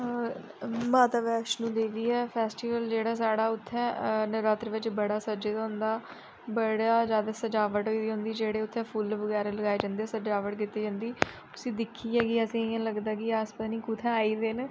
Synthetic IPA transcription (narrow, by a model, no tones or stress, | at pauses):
mãːt̪aːʋɛːʃnũːd̪eːʋiːɛːpʰɛːsʈiːʋəld͡ʒeːɽaːsaːɽaːʊt̪ʰːɛ̃ːnəɾaːt̪ɾʋɪt͡ʃbəɽaːsəd͡ʒeːt̪aɦʊ̃nd̪aː | bəɽaːzjaːd̪aːsəd͡ʒaːʋəʈɦoiiɦõːnd̪iːd͡ʒeːɽeːʊt̪ʰːɛ̃ːpʰuːlʋəɡɛːɾaːləɡaːeːd͡ʒãːnd̪eːɛːsəd͡ʒaːʋəʈkɪt̪ːeːd͡ʒãːnd̪iː | ʊsĩːd̪ɪkʰːiːɛːɡiəsĩːɪãːləɡd̪aːkɪaːspaniːkut̪ʰɛ̃ːaːiːd̪eːnː